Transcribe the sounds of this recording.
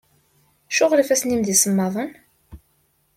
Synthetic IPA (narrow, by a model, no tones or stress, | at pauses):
ʃʊʁlifæsnimd̪isəmːɑðˤən